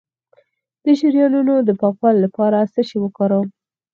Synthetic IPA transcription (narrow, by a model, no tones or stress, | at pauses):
d̪̥əʃiɾjɑnunod̪əpɑkwɑllapɑɾast̪əʃewəkɑɾəw